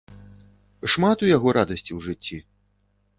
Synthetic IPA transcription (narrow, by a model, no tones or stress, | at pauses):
ʂmat̪ujaɣɔɾad̪ɐsʲt͡sʲiwʐɨt͡sʲːi